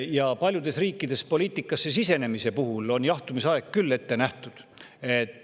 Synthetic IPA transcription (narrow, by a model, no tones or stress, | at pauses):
jɑpɑlʲjud̪̥e̞sriːkˑːid̪̥e̞spo̞liːt̪ːˑikːˑɑsːe̞sise̞ne̞mise̞puɦulo̞njɑht̪umisɑe̞ɡkːylːe̞t̪ːe̞næht̪ud̪̥et̪ːˑ